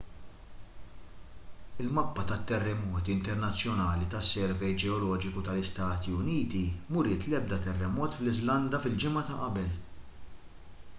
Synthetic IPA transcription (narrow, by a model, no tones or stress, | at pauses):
ɪlmɐpːɐt̪ɐt̪ːɛrːɛmɔːt̪iɪnt̪ɛɾnɐt͡sːjɔnɐːlit̪ɐsːɛɾvɛjd͡ʒɛɔlɔːd͡ʒɪkut̪ɐlɪst̪ɐːt̪iʊniːt̪imʊɾɪːt̪lɛb̚d̪ɐt̪ɛrːɛmɔːt̪flɪzlɐnd̪ɐfɪld͡ʒɪmɐt̪ɐʔɐbɛl